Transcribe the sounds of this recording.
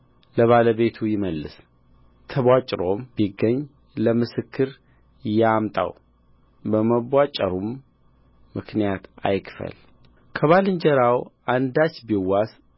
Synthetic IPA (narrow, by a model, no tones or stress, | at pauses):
ləβaləβe̞t̪ʰujɪməlːɨ̰s | t̪ʰəβat͡ʃʼɾombiɡːəɲː | ləmɨsɨkʰːɨɾ | jamt̪ʼa̰w | bəməβʷːat͡ʃʼːəɾumː | ɨknijat̪a̰jkfə̰l | kʰəβalɨɲd͡ʒəɾawʔand̪at͡ʃːbiwːas